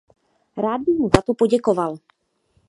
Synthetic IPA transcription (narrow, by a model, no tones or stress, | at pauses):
ɾaːd̪̚bɪɣmuzat̪opoɟɛkoval